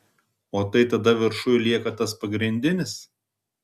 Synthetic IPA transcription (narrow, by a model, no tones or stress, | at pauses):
oːt̪ɐɪt̪ɐd̪ɐʋʲɪɾʃʊjlʲiɛkɐt̪ɐspɐɡɾʲɪnʲd̪ʲɪnʲɪs